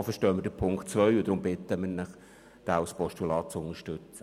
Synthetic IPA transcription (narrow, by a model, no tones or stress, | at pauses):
fəʃtœːmədəpʰʊŋktt͡sʋœʏʊd̪ɾʊmbɪt̪əməɾnɪχ | d̥æːuspɔʃtulɑːt̚t͡sʊnəʃtɵt͡sə